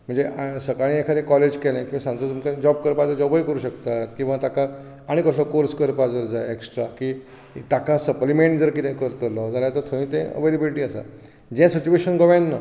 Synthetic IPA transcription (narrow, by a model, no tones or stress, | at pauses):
m̤əɳnd͡zesəkaɭĩekʰaɾẽkɔled͡ʑkɛlɛ̃kĩʋãsãnt̪ət̪umkãd͡ʑɔb̚kəɾpad͡zəɾd͡ʑɔbəikəɾuːɕəkt̪at̪kĩw̃ʋãt̪aka | aɽ̃ikɔɬɔkoɾskəɾpad͡zəɾd͡zaeeksʈɾaki | t̪akãsəplimẽɳʈd͡zəɾkit̪ẽkəɾt̪əlɔd͡zʱaljat̪əɾt̪ʰoɭĩːt̪ɛ̃ə̰ʋelebiliʈiːasa̰ | d͡ʑɛ̃sit͡ɕueɕənɡɔʋãnːə